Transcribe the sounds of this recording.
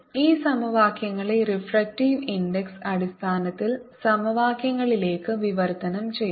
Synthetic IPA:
iːsɐmɐʋaːkjɐŋːɐɭerifrɐk̚tiːʋindeksɐɽist̪ʰaːnɐt̪ːilsɐmɐʋaːkjɐŋːɐɭile̞ːkːɨʋiʋɐrt̪ɐnɐmt͡ɕe̞j

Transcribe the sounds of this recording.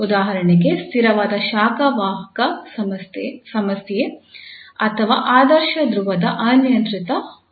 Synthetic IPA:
ud̪aːɦɐɾɐɳeɡest̪ʰiɾɐʋaːd̪ɐʃaːkɐʋaːɦɐkɐ | sɐmɐsje | ɐt̪ʰɐʋa̰ːʔaːd̪ɐɾʃɐd̪ɾuʋɐd̪ɐʔɐnjɐnt̪ɾit̪ɐ

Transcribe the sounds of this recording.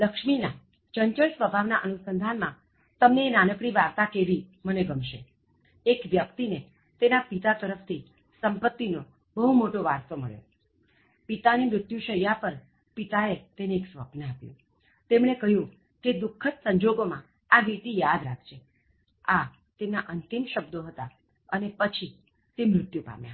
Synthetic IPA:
ləkʃmina | t͡ʃəɲt͡ʃəɭsʋəbʱaʋnaʔənusənd̪ʱanmã | t̪əmneːnanəkɽiʋaɾt̪akeʋiməneɡəmʃḛ | ekʋjəkt̪ine | t̪enapit̪at̪əɾəfʰt̪ʰi | səmpət̪ːino | bəɦumoʈoʋaɾst̪omə̰ɭjo̰ | pit̪animɾʊt̪jũʃəjapəɾ | pit̪aet̪eneeksʋə̰pnəapjṵ̃ | t̪emɽ̃ekəɦjũ | ked̪ʊkʰːət̪səɲd͡ʒoɡomã | aʋit̪ijad̪ɾakʰʃʰe | a | t̪emnaʔənt̪imʃəb̚d̪oɦət̪a | ənepət͡ʃʰi | t̪emɾʊt̪jũpa̰mjã̰

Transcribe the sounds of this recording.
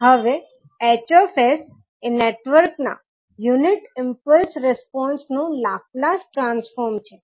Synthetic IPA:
ɦəʋe | et͡ʃɔfes | eneʈʋəɾkna̰ | juniʈɪmpəlsɾɛspɔ̃nsnũlaplãsʈɾãnsfɔɾmt͡ʃʰe

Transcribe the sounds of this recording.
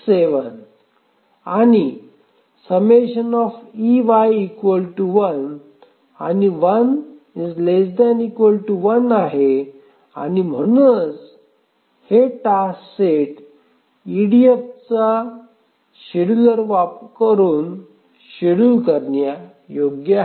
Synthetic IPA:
seʋən | ani | səmeɕənɔfiʋajikʋəlʈuʋən | a̰niʋən | id͡zlesd̪ɛnikʋəlʈuʋənaɦe | a̰nim̤əɽ̃unt͡s | heʈaseʈ | iɽijəp̚t͡sa | ɕiɽuləɾʋapkəɾuːn | ɕiɽulkəɾɳja | joɡja

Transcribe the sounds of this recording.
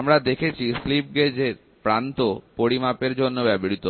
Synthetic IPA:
mɾad̪ekʰet͡ɕʰislip̚ɡed͡ʑeɾ | pɾant̪opoɽimapeɾd͡ʑonːobɛbɾit̪o

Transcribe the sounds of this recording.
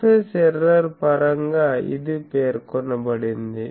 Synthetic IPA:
esɛɾɐɾpɐɾɐŋɡaɪ̰ðɯpeːɾkɔɳːɐbɐɽɪnd̪ɯ

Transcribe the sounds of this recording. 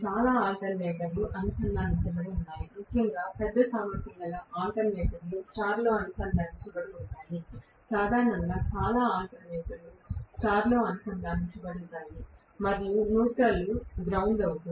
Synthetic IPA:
t͡ʃaːlaːaːɳʈɐnʋɛːt̪ɐɾuʔɐnusɐndaːnunt͡ʃɐbɐɽiunːaːjimukʰːjɐŋɡaːpɛd̪ːɐsaːmɐt̪ɐmːɐlɐʔaːɳʈɐnʋɛːt̪ɐɾlusʈaːɾloːɐnusɐnd̪aːnut͡ʃibɐɽiunːaːli | saːd̪ʱaːɾɐɳɐŋɡaːt͡ʃaːlaːaːɳʈɐnʋɛːt̪ɐɾusʈaːɾloːɐnusɐnlaːnut͡ʃibɐɽuʈːaːli | mɐɾijunuːʈɐluɡɾɐwnlɐwuk̪u

